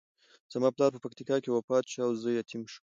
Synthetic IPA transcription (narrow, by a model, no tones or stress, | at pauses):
z̥amɑplɑɾpəpakt̪ikɑkewafɑt̪ʃaawzəjat̪ʰimʃu̥m